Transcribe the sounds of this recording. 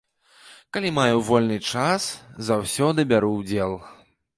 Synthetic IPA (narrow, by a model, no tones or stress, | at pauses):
kalʲimajuvɔlʲnɨt͡ʂaszawsʲɔd̪ɨbʲaɾuwd͡zʲɛlˠ